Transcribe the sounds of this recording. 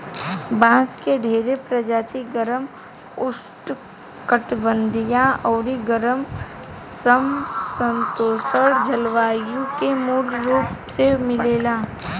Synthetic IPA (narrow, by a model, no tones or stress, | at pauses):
bãːskeɖʱeːɾepɾɐd͡ʒaːt̪iɡəɾəm | ʊsʈ | kəʈbə̃nd̪ʱijãɔːɾiɡəɾəm | səmsə̃nt̪oːsəɾd͡ʒɐlʋaːjũkemuːlɾuːpsemɪleːlaː